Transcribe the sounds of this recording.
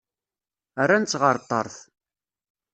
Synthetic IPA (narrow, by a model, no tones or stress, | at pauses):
ərːant͡sːʁəɾˤt̪ˤːə̰ɾˤθ